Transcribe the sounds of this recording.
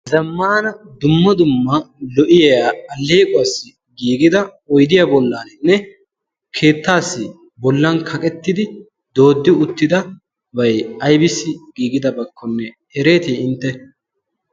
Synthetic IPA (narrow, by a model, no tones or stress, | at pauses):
zɐmːaːnɐd̪ʊmːɐd̪ʊmːɐlɔʔɪjaɐlːeːkʼɔwsːɪ | ɡiːɡɪd̪ɐ | ɔjd̪ɪjabɔlːaːnɪnːɛ | kʰe̞ːt̪ːaːsːɪ | bɔlːɐnkʰɐkʼɛt̪ːɪd̪ɪ | d̪o̞ːd̪ːɪʊt̪ːɪd̪ɐ | bɐjɐjbɪsːɪɡ̥iːɡɪd̪ɐbɐkːɔnːɛ | ɛɾe̞ːt̪iːɪnt̪ːɛ